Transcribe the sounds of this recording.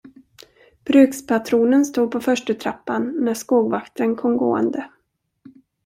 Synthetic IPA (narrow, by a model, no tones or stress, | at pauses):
b̥ɾʉ̟ːkspʰat̪ʰɾuːnənst̪uːd̪̚pʰɔfœʂʈət̪ʰɾapːanːæʂkoːɡvakt̪ɾənkʰɔmɡo̰ːə̰nd̪ə